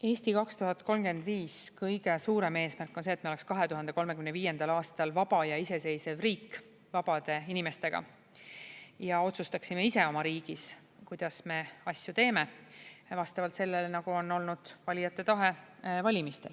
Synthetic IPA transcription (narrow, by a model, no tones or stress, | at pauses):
e̞ːsʲt̪ikɑkst̪uɦɑt̪̚ko̞lmɡ̥e̞nd̪viːskɤjɡ̥e̞suːɾe̞me̞ːsmærkˑːo̞nseːt̪meoekskɑɦe̞t̪uɦɑnd̪e̞ko̞lmekymne̞viːje̞nd̪̥ɑlɑːst̪ɑlvɑb̥ɑjɑise̞se̞jse̞vriːkː | vɑb̥ɑd̪̥e̞inime̞st̪e̞ɡ̥ɑ̰ | jɑo̞t̪sust̪ɑksimeise̞o̞mɑɾiːɡ̥is | kujd̪̥ɑsme̞ɑsʲjut̪e̞ːme̞vɑst̪ɑvɑlt̪se̞lːelenɑɡ̥uo̞no̞lnud̪̥vɑlʲijɑt̪ːˑe̞t̪ɑɦe̞vɑlʲimist̪e̞̰l